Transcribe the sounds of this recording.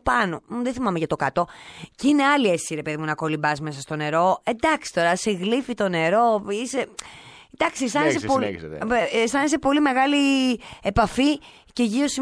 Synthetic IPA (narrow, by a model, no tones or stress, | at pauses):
pɐno̞muðeθimɐmeʝɐt̪okɐt̪o̞ceineɐliesiɾe̞pe̞ðimunɐko̞libɐzme̞sɐst̪o̞ne̞ɾo̞e̞d̪ɐksi̥t̪o̞ɾɐsiɣlifit̪o̞ne̞ɾo̞ise | d̪ɐksist̪ɐneseso | st̪ɐnesepo̞lime̞ɣɐlie̞pɐfi | ce̞ʝio̞si